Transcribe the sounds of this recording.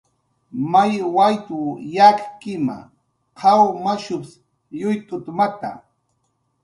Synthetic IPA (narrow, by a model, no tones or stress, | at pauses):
majwajt̪ʊjakkɪma̰ | qʰɑwmaʃʊps | jʊjt̪ʊt̪mat̪a̰